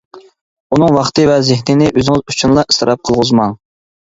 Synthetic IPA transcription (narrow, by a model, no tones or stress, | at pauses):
unɨŋwɑχt̪ɨvɛzɪɦnɪnɪʔøzɪŋɪzut͡ʃʰunlˠɑʔist̪ɨɾʔɑp̚qʰəlˠʁʊzmɑŋ